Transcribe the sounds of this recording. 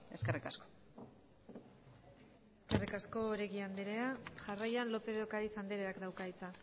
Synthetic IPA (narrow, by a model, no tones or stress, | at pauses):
e̞skerikasko̥ | e̞skerikasko̞ːɾe̞ɣiand̪eɾeaʝarajanlo̞pe̞ðokaɾisand̪eɾeakd̪awkait͡sa